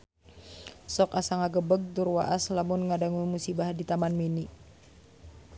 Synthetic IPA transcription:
sɔkasaŋaɡəbəɡ̚d̪urwaʔaslamʊnŋadaŋumusibaɦdit̪amanmini

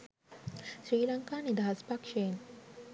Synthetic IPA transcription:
ɕɾiːlaŋkanid̪aspakʂeːn

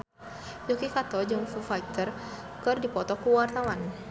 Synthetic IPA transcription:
d͡ʒokikat̪ɔd͡ʒɨŋfufait̪ər | kɨrdipɔt̪ɔkuwart̪awan

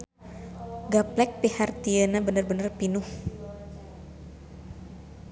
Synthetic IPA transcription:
ɡaplɛk̚pihart̪iənabənərbənərpinuh

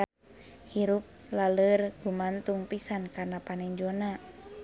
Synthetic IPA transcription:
hiɾup̚lalərɡumant̪uŋpisankarnapanɛɲd͡ʒona

